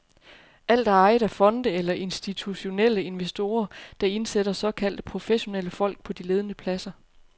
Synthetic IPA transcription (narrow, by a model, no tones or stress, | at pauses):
ʔæl̰d̥æɑ̈ɪðˠæfɒ̽nd̥əelɐʔe̝nsd̥it͡sʰuɕo̝nel̰əe̝nʋesd̥o̝ːɐd̥ɑ̈e̝nseɾɐsɒ̽kʰæl̰d̥əpʰʁo̝feɕo̝neləfɒ̽l̰ɡ̥̚pʰɒ̽d̥ile̝ːð̞ˠənəpʰlæsɐ